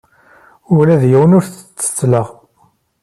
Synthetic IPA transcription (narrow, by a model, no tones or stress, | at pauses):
ʊlæðjiwənʊɾθə̥t͡sːə̥t͡sːləʁ